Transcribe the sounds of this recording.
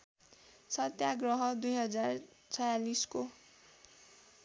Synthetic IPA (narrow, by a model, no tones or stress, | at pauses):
sʌt̪jaɡrʌɦʌd̪ujɦʌd͡zar | t͡sʰʌjalisko